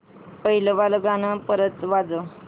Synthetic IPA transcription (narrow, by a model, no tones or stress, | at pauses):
pəɦiləʋaləɡanəpəɾət͡sʋad͡zə